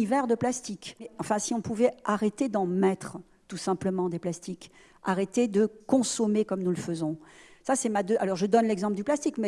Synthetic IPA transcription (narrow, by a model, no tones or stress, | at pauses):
ivɛʁd̪əplast̪ikɛɑ̃fɛ̃siɔ̃puvɛʔaʁet̪ed̪ɑ̃mɛt̪χ | t̪usɛ̃pləmɑ̃d̪eplast̪ik | aʁet̪ed̪əkɔ̃sɔmekɔmnuləfəzɔ̃sasɛmad̪øʔalɔʁʒəd̪ɔnlɛɡzɑ̃pləd̪yplast̪ikmɛ